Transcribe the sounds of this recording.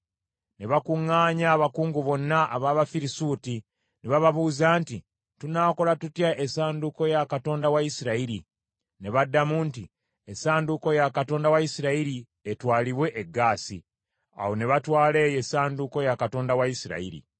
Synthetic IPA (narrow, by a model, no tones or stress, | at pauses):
ne̞βakuŋːaːɲaːβakuːŋɡuβo̞nːaʔːβaːβafiɾisuːti | neβaβaβuːzaːnti | tunaːko̞latutjaʔesaːnduko̞jakato̞ːndawajisiɾaiɾi | ne̞βadːamunti | esaːnduko̞jakato̞ːndawajisiɾaiɾi | etwaːliβwe̞ʔeɡːaːsḭ | a̰wo̞ne̞βatwaːle̞ːje̞saːnduko̞jakato̞ːndawajisiɾa̰ḭɾḭ